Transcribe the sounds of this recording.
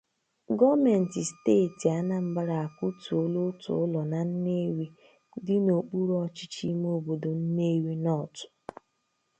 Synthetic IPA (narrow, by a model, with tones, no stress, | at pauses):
ɡɔ˦me˨n̩˨ti˨steː˦˨ti˨a˦na˦m̩˦ba˦ɾa˨a˨ku˦tu˨o˦lo˦tʊ̰˨ʊ˦lɔ˨na˨n̩˦ne˦wi˦ | dɪ˦no˨k͡pu˦ɾɔ˦t͡ʃɪ̥˦t͡ʃi˦m˦o˦bo˨do˨n̩˦ne˦wi˦nɔ˦˨tʊ̥˨